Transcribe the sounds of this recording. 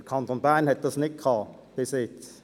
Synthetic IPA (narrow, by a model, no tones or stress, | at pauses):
əkʰɑnt̪onbæːnhɛt̪̚dɑsnɪt̚kʰɑː | pɪsɪt